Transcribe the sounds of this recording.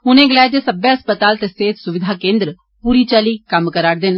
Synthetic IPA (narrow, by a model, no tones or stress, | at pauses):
ʊnẽːɡəlɛːd̪eːsəbeːəspət̪aːlt̪eːseːt̪sʊʋɪd̪ʱaːkẽːnd̪ɾ | puːɾiːt͡ʃaːliːkəmkəɾaːɽd̪ɪn